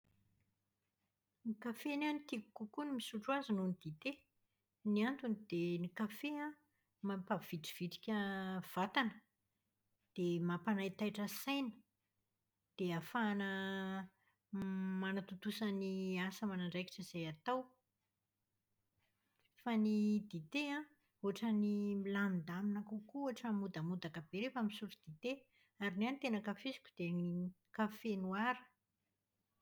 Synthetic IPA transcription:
nikafenanit̪ikukukunimisuɳʈ͡ʂuazununid̪it̪e | niant̪unid̪enikafeã | mampav̥iʈ͡ʂiv̥iʈ͡ʂi̥kʲəv̥at̪anə | d̪̥emapanajt̪ajʈ͡ʂəsajnə̥ | d̪̥eafaːnə | manat̪ut̪usəniasəmanaɳɖ͡ʐajki̥ʈ͡ʂəz̥ejat̪aw | fanid̪it̪eã | uaʈ͡ʂənimilamid̪aminakukuaʈ͡ʂəmud̪əmud̪akab̥eɾefamisuɾid̪̥it̪e | aɾinanit̪enəkafizi̥kʲud̪̥e | kafenuaɾə̥

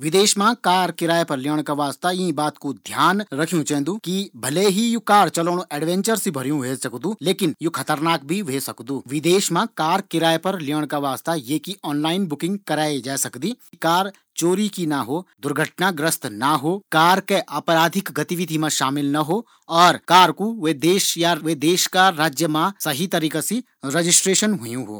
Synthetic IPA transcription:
ʋɪd̪eːʃmãkaːɾkɪɾaːepɐɾlɪəɽ̃kaʋaːst̪aĩbaːt̪kod̪ʱjaːnɾɐkʰjũt͡ʃɛ̃ːnd̪uːkibʱɐleɦijukaːɾt͡ʃɐloːɽ̃oʔɛːɖʋɛ̃nt͡ʃəɾsibʱɐɾjũʋeːsɐkd̪ũːleːkɪnjukʰɐt̪əɾnaːk̚bʱiʋeːsɐkd̪uːʋɪd̪eːʃmãkaːɾkɪɾaːepɐɾliəɽ̃kaʋaːst̪ajeːkiɔːnlaːɪnbʊkɪ̃ŋɡkɐɾaːed͡ʒaːsɐkd̪iːikaːɾ | t͡ʃoːɾikinɐɦod̪ʊɾɡʱəʈnaɡɾəst̪nɐɦoːkaːɾkeʔaːpɾaːd̪ʱɪkɡɐt̪iʋɪd̪ʱimãʃaːmɪlnɐɦo | ɔːɾkaːɾkuʋed̪eːʃjaʋeːd̪eːʃkaɾaːd͡ʒjəmãsɐɦit̪ɐɾiːkasi | ɾed͡ʒɪsʈɾeːʃənɦʊjũɦo̰ː

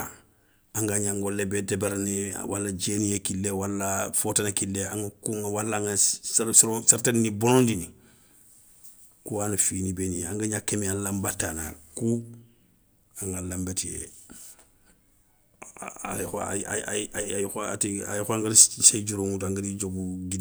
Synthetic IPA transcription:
a | aŋɡaɲaŋɡolebedebaɾnḭwa̰lːad͡ʒeːnijekilːewalːafotanakilːeaŋɡakuŋɡawalːaŋɡassɾosaɾtannibonõndini | kuwanafiːnibeniaŋɡaɲakemealambatːaːna̰ku | aŋɡalambetijḛ | a̰lixa̰a̰a̰aajxoa̰tia̰jxɔaŋɡaɾised͡ʒuɾoŋutaŋɡaɾid͡ʒoɡuɡid

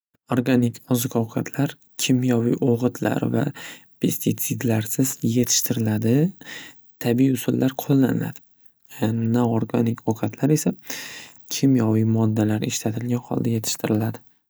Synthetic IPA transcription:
oɾɡanɪkʰɒzɨkʰɒwqʰɑt̪ʰlaɾ | kʲʰɪmjɒwḭʔoʁɨt̪ʰla̰ɾva̰pʰe̞st̪ʰit̪sɪd̪laɾsɪzje̞t̪ʰɪ̥ʃt̪ʰɪɾɪlad̪ɪ | t̪ʰabiʊsʊlːaɾqʰolˠːa̰nɪ̰la̰d̪̥ɪ | naoɾɡanɪkʰɒwqʰɑt̪ʰlaɾe̞sa | kʲʰɪmjɒwijmɒd̪ːalaɾɪʃt̪at̪ʰɪlɡʲanhɒ̰lˠd̪aje̞t̪ʰɪ̥ʃt̪ʰɪɾɪlad̪ɪ

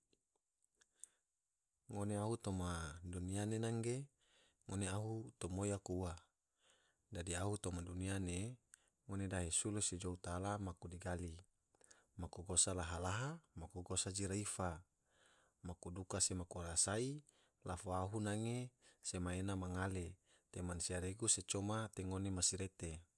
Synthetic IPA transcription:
ŋoneaɦut̪omadunianenaŋɡe | ŋoneaɦut̪omojakuwa | dadiaɦut̪omaduniane | ŋonedaɦesulused͡ʒout̪alamakudiɡali | makuɡosalaɦalaɦamakuɡosad͡ʒiɾaifa | makudukasemakuɾasai | lafoaɦunaŋesemaenamaŋale | t̪emansiaɾeɡuset͡ʃomat̪eŋonemasiɾet̪e

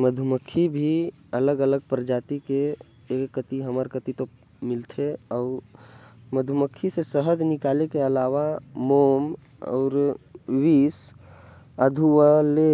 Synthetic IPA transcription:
məd̪ʱuməkʰːibʱi | ələɡələɡ̚pɾəd͡ʒaːt̪ikeː | kːət̪iɦəməɾkət̪it̪o | mɪlt̪ʰeɔʊɾ | məd̪ʱuməkʰːisesəɦəd͡ʒnɪkaːlekeəlaʋamom | ɔ̰ːɾwis | əd̪ʱuwəle

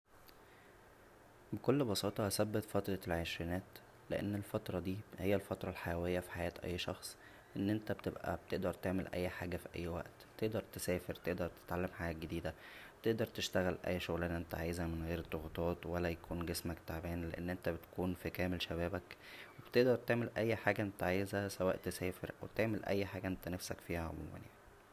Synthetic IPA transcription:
bekolːbɑsɑːt̪ˤɑhæsæbːet̪fæt̪ɾˤɑlʕeʃɾinæːt̪ | lḛʔḛnːelfɑt̪ɾˤɑd̪iːhejːælfɑt̪ɾˤɑlħajæwejːæfi̥ħajæːt̪ʔæ̰jːʃɑxsˤ | ʔenːʔent̪æbet̪ebʔæ̰b̚t̪eʔd̪ɑɾˤt̪eʕmelʔæ̰jːħaːɡæfiʔæ̰jːwæ̰ʔt̪t̪eʔd̪ɑɾˤt̪esæːfeɾt̪eʔd̪ɑɾˤt̪e̥t̪ʕalːæmħaːɡæɡed̪iːd̪æbt̪eʔd̪ɑɾˤt̪eʃt̪æɣælʔæ̰jːʃoɣlæːnʔent̪æʕaːjzæmenɣeːɾed̪ˤːoɣt̪ˤɑːt̪wælːæjækuːnɡesmækt̪aʕbæːnlḛʔḛnːʔent̪æbet̪kuːnfikæːmelʃæbæːbækweb̥t̪eʔd̪ɑɾˤt̪eʕmelʔæjːħaːɡæʔent̪æʕajzæsæwæːʔt̪esæːfḛɾʔæwet̪eʕmelʔæ̰jːħaːɡæʔent̪ænæfsækfiːhæʕo̰mṵːmæ̰njaʕi

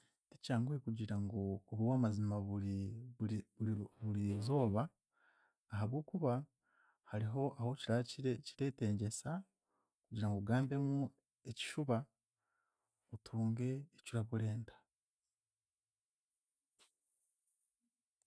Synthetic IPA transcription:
tecaːŋɡuɾekuɟiɾaŋɡooβuwaːmazimaβui | βuɾizo̞ːβaː | ɦaβɡoːkuβa | haɾiɦo̞ʔaho̞ciɾaciɾe̞ːte̞ːɲɟe̞sa | kuɟiɾaŋɡoɡaːmbe̞mu | eci̥ʃuβa | otʰuːŋɡe̞ːcuɾaβuɾe̞ːntḁ

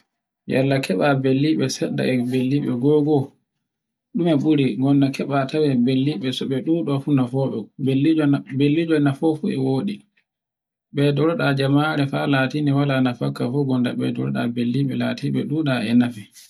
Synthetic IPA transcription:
ja̰lːakʰɛɓabelːiɓɛsɛɗːa̰ɛbelːiɓɛ̰ɡɔɡɔ | ɗumɛɓuɾiɡɔndakʰɛɓatʰawɛbelːiɓɛsɔɓɛɗuɗɔfunafɔɓɛbelːibelːid͡ʒɔnafɔfuɛ̰woːɗi | ɓɛdɔɾɔɗad͡ʒamaɾɛfalaːtiniwalanafakːafɔɡɔnda̰ɓɛ̰dɔɾɔɗa̰belːiɓɛlatiɓɛ̰ɗuɗaɛnafi

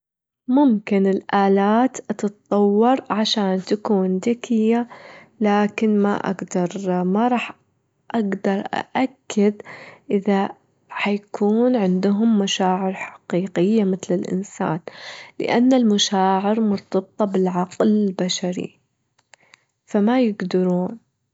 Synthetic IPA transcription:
mʊmkɪnɪlʔaːlaːt̪ʔɑt̪ɑt̪t̪ˤːɑwːɑɾˤʕaʃaːnt̪akuːnd̪akʰɪjːa | laːkɪnma̰ʔa̰ɡd̪ɑɾˤmaɾˤɑːħ | ʔaɡd̪ɑɾˤʔa̰ʔakːad̪ʔɪða | ħajakʰuːnʕɪnd̪ʊɦʊmːaʃaːʕɪɾħḁqiːqɪjːamɪθlɪlʔɪ̰nsa̰ːnlɪ̰ʔanːalmaʃaːʕɪɾmʊɾt̪ˤɑb̚t̪ˤːɑbɪlʕɑqlɪlbaʃaɾḭ | famajɪɡd̪ɑɾuːn

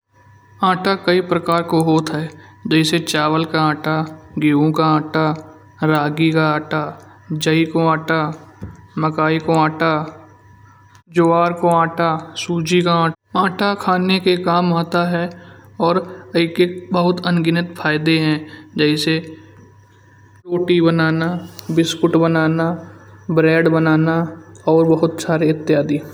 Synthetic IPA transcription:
ãːʈakəipɾəkaːɾkoɦoːt̪ɦɛd͡ʒɛːɪset͡ʃaːʋəlkaãːʈaɡeːõkaãːʈa | ɾaːɡikaaːʈa | d͡ʒəikoãːʈa | məkaːikoãːʈa | d͡ʒoːaːɾkoãːʈasuːd͡ʒikaãː | ãːʈakʰaːnekekaːmaːt̪aɦɛɔːɾɐɪkebəɦʊt̪ɐnɡɪnət̪fʰaːɪd̪eɦɛ̃d͡ʒɛːɪse | ʈoːʈibənaːnabɪskʊʈbənaːnabɾɛːɖbənaːnaɔːɾbəɦʊt̪saːɾeɪt̪ːjaːd̪iː

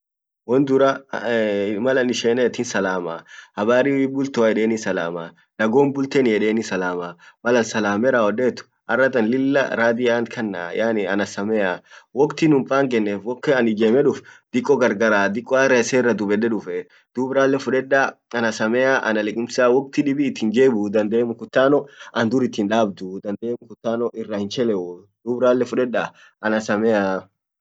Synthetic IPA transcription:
wɔnd̪ʊɾa | mɐlɐnɪʃeːnɛːt̪ɪnsɐlaːmaːhɐbaːɾiwibʊlt̪ɔajɛᶑeːnisɐla̰ːmaː | nɐɡo̞ːmbʊlt̪eːnjɛɗeːnisɐlaːmaːmɐlɐnsɐlaːmɛɾaːɔdeːt̪ʊ̥ | ʔɐrːɐt̪ɐnlɪlːɐ̰ɾaːd̪ɪaːnkʰɐnːa̰ːjaːnɪɐ̰nɐsɐmɛjaːwɔkt̪ɪnʊmpʼaːŋɡɛnːeːfwɔkːɛɐnɪɡeːmɛᶑʊfd̪̥ɪkʼːɔɡɐɾɡɐɾaːd̪ɪkʼːɔarɐsɛɪrːɐd̪ʊbɛᶑɛᶑʊfɛ | d̪̥uːbɾaːlːɛfʊᶑɛᶑːaɐnɐsɐmɛaːʔɐ̰nɐlɛkʼɪmsaːwɔk̚t̪ɪᶑɪbɪːt̪ːɪŋɡeːbʊd̪ɐnd̪eːmʊkʊt̪ːaːnɔʔɐnd̪ʊɾɪt̪ːiːnᶑaːb̚d̪ʊd̪ɐnd̪eːmʊkʊt̪ːaːnɔʔɪrːahɪnt͡ʃɛlɛʔu | d̪̥uːbɾaːlːɛfʊᶑɛᶑa | ʔɐnɐsɐmɛaː

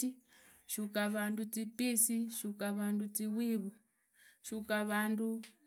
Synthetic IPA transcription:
i | ʃukaʋandut͡sipisiʃukaʋandut͡siwiβu | ʃukaʋandu

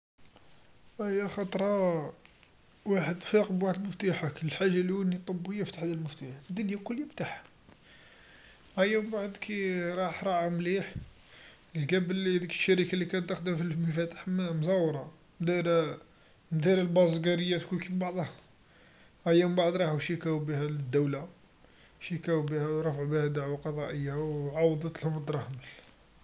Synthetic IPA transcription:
æjːæxɑt̪ˤɾˤɑ | waħəd̪fiqbwaħəd̪məft̪aħakləħaʒːaliənːit̪ˤːobːəjːaft̪aħd̪əlməft̪aħəd̪ːʊnjakʊljft̪aħa | ʔæjːæmbaʕd̪kʰiɾˤɑħɾˤɑʕamliħ | lɡæbəlihæd̪ikə̥ʃːæɾikalːikænt̪ːəxd̪əmfilməfæt̪ə̥ħmzɑwɾˤɑ | md̪iɾ | md̪iɾəlbɑzˤɡæɾəjːæt̪kʊlːkifbɑʕd̪ˤhɑ | ʔæjːæmbaʕd̪ˤɾˤɑħuʃikæwbihæləd̪ːəwla | ʃikæwbihæwɾˤɑfʕubihæd̪aʕwaqɑd̪ˤɑʔəjːawʕɑwd̪ˤɑt̪əlhʊməd̪ɾˤɑhməl

